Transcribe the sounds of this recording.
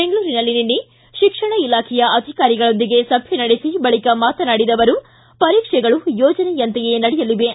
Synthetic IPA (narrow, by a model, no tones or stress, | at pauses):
beŋɡɐɭuːɾinɐlːininːi | ʃikʂɐɳɐilaːkʰɛjɐʔɐd̪ʱikaːɾiɡɐɭo̞nd̪iɡe̞sɐbʱjɐnɐɽesibɐɭikɐmaːt̪ɐnaːɽid̪ɐʋɐɾu | pɐɾiːkʂɛɡɐɭujɔːd͡ʒɐnɛjɐnt̪ɛjenɐɽɛjɐliʋe